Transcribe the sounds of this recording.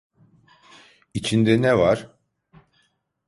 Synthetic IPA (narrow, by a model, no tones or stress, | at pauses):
it͡ʃʰind̪ɛnɛvaɾ̥